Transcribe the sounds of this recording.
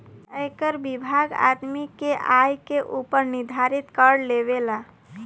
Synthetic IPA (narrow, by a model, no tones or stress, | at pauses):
əjkəɾbibʱaɡa̰d̪mikeʔajkeʔupəɾniɾd̪ʱaɾit̪kəɽleβela